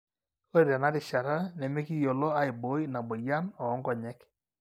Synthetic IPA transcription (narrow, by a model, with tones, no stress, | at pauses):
o˦ɾe˨ɾɛ˨na˦dɪ˨ʃa˨ɾa˦nɛ˨me˦ki˦jo˨lɔ˦a˨ɪ˨bo˨˦i˦na˨bo˨ja˦nɔː˨˦ŋɡɔ˨ɲɛ˦k